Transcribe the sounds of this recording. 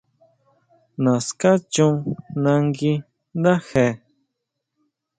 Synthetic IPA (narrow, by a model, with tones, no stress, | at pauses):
na˨ska˦t͡ʃu˦ŋnã˧ŋɡi˦ | d̪a˦he˨